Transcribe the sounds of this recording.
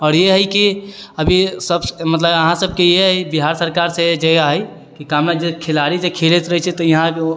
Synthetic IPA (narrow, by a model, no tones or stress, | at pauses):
ɔːɾjeɦəjkiəbʱisəbmət̪ləbəɦãsəb̚ʱkejeɦəjbiɦaɾsəɾkaɾsẽd͡ʒəɡaɦəj | kikamnad͡ʒekʰelaɾid͡ʒekʰelet̪ɾəɦɛt͡ʃʰɛt̪ɔiɦã